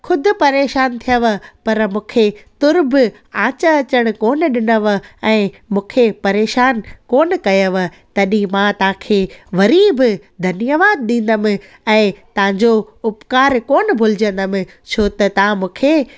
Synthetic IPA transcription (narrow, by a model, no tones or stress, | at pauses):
xʰʊd̪ʱʊ̆pɐɾeːʃaːnt̪ʰijəʋə̆pɐɾmũːkʰet̪ʊɾb | ãːt͡ɕəɐt͡ɕəɽ̃̆koːn̆ɗɪnəʋɛ̃ː | mũːkʰepɐɾeːʃaːnkoːnkɐjəʋ | t̪ɐɗĩmãt̪ɐʋãkʰeːʋɐɾiːb | d̪ʱɐnjəʋaːd̪̚ɗĩːn̆d̪əmɪ̃ | ɛ̃ːt̪ɐʋ̤ãɲd͡ʑo | ʊpkaːɾkoːn̆bʱʊlɪd͡ʑə̃nd̪əmɪ̃ | t͡ɕʰoːt̪ɐt̪ɐãmũːkʰeː